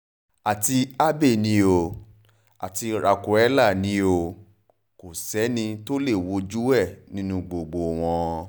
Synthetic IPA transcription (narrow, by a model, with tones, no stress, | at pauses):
a˨ti˧a˦be˦˨nĩ˧˦o˨ | a̰˨ti˧ɾa˨ku˨ɛ˨˦la˦˨nĩ˧˦o˨ | ko˨sɛ˨˦nĩ˧to˦le˦˨wo˧˦d͡ʒu˦wɛ˦˨nĩ˦nũ˧ɡ͡bo˧ɡ͡bo˧w̃ɔ̃˧